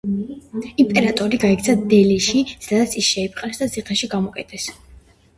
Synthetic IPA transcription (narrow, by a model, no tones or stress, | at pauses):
impʼɛɾat̪ʼɔɾiɡaɛk̚t̪sʰad̪ɛliʃisad̪at̪sʰisʃɛip̚ʰʼqʼnɛsd̪asʰiqʰɛʃiɡamɔkʼɛt̪ʰʼɛs